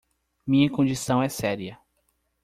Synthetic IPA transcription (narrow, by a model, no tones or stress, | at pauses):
mĩɲɐkõd͡ʒisɐ̃w̃ɛsɛɾiɐ